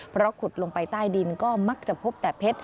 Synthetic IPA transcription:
pʰɾɔ˦˥kʰu˨˩t̪̚lo˧ŋpa˧jt̪aː˥˩jdi˧nkɔː˥˩ma˦˥k̚t͡ɕa˨˩pʰo˦˥p̚t̪ɛː˨˩pʰe˦˥t̪̚

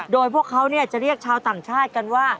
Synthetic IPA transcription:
doː˧jpʰu˥˩əkʰːa˦˥wni˥˩ət͡ɕa˨˩ʔɾi˥˩ək̚t͡ɕʰaː˧wt̪aː˨˩ŋt͡ɕʰaː˥˩t̪̚ka˧nwaː˥˩

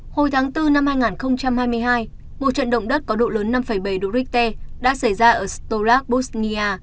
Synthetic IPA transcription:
ho˨˩jt̪ʰaː˨˦ŋt̪ɨ˧na˧mhaː˧jŋaː˨˩nxə˧wŋ͡mt͡ɕa˧mhaː˧jmɨ˧əjɦaː˧j | mo˨˩t̚t͡ɕwə̰˧˨nɗə̰˧˨wŋ͡mɗə˦˥t̚kɔ˨˦ɗo̰˧˨ləː˨˦nːa˧mfə˧˩jɓa˧˩jɗo̰˧˨ɾi˦˥k̚t̪e˧ɗa̰ː˧˥sa˧˩jzaː˧ʔəː˧˩st̪o˧laː˦˥k̚ɓu˦˥sni˧aː˧

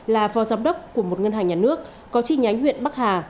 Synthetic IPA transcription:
laː˨˩fɔ˨˦zaː˨˦mɗə˦˥wk͡p̚ku˧˩əmo˨˩t̚ŋə˧nɦaː˨˩ŋɲaː˨˩nɨ˦˥ək̚ːɔ˨˦t͡ɕḭ˧˩ɲa˨˦jŋ̟hwḭ˧˨ənɓa˦˥k̚haː˨˩

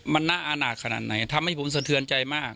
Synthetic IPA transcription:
ma˧nːa˦˥˩ʔaː˧naː˨˩t̪̚kʰa˧na̰˨˩t̪̚na˨˩˦jt̪ʰa˧mha˥˩jpʰo˩˦ms̬a˧t̪ʰɯ˧nt͡ɕa˧jmaː˥˩k̚

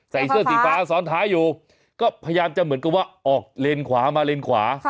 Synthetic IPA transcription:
sa˨˩jsɯ˥˩əsiː˨˩faː˦˥sɔː˨˦˥nt̪ʰaː˦˥juː˨˩ | kɔː˥˩pʰa˧ja˧jaː˧mt͡ɕa˧˨mɯ˩˦nka˨˩p̚waː˥˩ʔɔː˨˩k̚le˧nkʰwaː˩˦maː˧le˧nkʰwaː˩˦

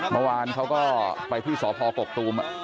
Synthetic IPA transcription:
mə˧waː˧nkʰa˦˥wkɔː˥˩pa˧jt̪ʰiː˥˩sɔː˩˦pʰɔː˧ko˨˩k̚t̪uː˧m˧

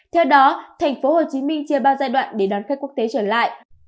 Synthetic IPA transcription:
t̪ʰɛ˧wɗɔ˨˦t̪ʰa˨˩jŋ̟fo˨˦ho˨˩t͡ɕi˨˦mï˧ŋ̟t͡ɕi˧əɓaː˧˩wzaː˧jɗwa̰ː˧˨nɗe˧˩ɗɔ˨˦nx̚ku˦˥ək̚t̪e˨˦t͡ɕəː˧˩la̰ː˧˨jʔ

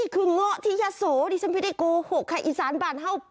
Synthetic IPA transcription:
i˧˩kʰɨ˧˩əŋːɔ˧˨t̪ʰḭ˧˨zaː˧˩so˨˦ɗi˧˩sə˧mpde˧˨ko˧ho˧˩kʰaː˧˩ʔi˧˦zaː˨˦nbaː˨˩nɦə˧˩wp̚

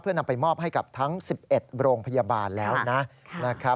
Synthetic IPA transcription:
pʰɯ˥˩ɐna˧mpa˧jmɔː˥˩p̚ɦa˥˩jka˨˩p̚t̪ʰa˦˥ŋsi˨˩p̚ʔe˨˩t̪̚ɾoː˧ŋpʰa˧jaː˧baː˧nlɛː˦˥wna˦˥na˦˥kʰa˦˥

